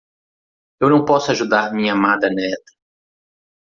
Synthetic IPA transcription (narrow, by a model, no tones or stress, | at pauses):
ewnɐ̃w̃pɔsʊaʒud̪aɾmĩɲɐamad̪ɐnɛt̪ɐ̥